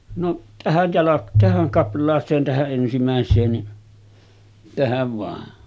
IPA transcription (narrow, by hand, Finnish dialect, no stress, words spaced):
noʔ tæhæj jɑlɑk tæhæŋ kɑplˑɑːseːn tæhæʔ ʔensimæˑesˑeːn ni tæhæʋ ʋɑˑe